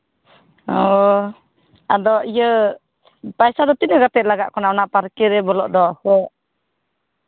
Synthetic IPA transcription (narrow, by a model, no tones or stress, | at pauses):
ɔ | ad̪ɔʔijə | pajsad̪ɔt̪inəɡat̪ɛʔ̪̚laɡa̰ʔkɔnaɔnapaɾkɛɾɛbɔlɔʔd̪ɔhɔ̃ʔ